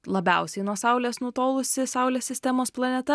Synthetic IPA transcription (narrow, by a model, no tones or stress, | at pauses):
lˠɐbʲɛʊsʲɛɪnuɔsɐʊlʲeːsnut̪oːlˠʊsʲɪsɑʊlʲeːsʲsʲɪsʲt̪ʲɛmoːsplˠɐnʲɛt̪ɐ